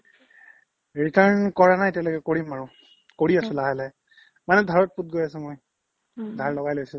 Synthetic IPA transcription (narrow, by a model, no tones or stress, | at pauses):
ɹitaɹnkɔɹanajtjalojkɛkoɹimaɹʊ | koɹiasʊ̃laɦalɛ | manɛdʱaɹɔt̚put̚ɡojasɛmoj | dʱaɹlɔɡajlojsʊ̃